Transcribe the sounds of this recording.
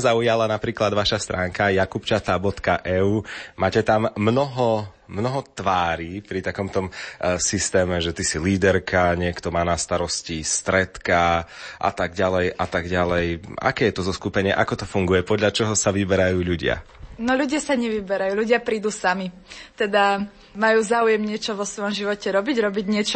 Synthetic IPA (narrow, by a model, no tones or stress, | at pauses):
zaujalanapɾiːklad̪ʋaʃast̪ɾʔaːŋkajakupt͡ʃat̪aːbɔt̪kaʔɛuːmaːcɛt̪ammnɔɦɔ | mnɔɦɔt̪ʋaːɾiːpɾit̪akɔmt̪ɔmsist̪ɛːmɛʒɛt̪isiliːd̪ɛɾkaɲɪɛkt̪ɔmaːnast̪aɾɔscist̪ɾɛt̪kaʔa̰t̪aɡɟalɛjʔat̪aɡɟalɛja̰kɛːjɛt̪ɔzɔskupɛɲɪɛʔakɔt̪ɔfuŋɡujɛpɔd̪ʎat͡ʃɔɦɔsaʋibɛɾajuːʎuɟɪa̰nɔʎuɟɪasaɲɛʋibɛɾajuːʎuɟɪapɾiːd̪uːsami | t̪ɛd̪a | majuːzaːujɛmɲɪɛt͡ʃɔʋɔsʋɔjɔmʒiʋɔcɛɾɔbiɟɾɔbiɟɲɪɛt͡ʃɔ